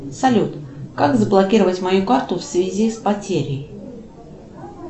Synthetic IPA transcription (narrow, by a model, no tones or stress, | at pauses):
sɐlʲut̪kakzəblˠɐkʲiɾəvətʲmɐjukart̪ʊfsvʲɪzʲispɐtʲeɾʲɪj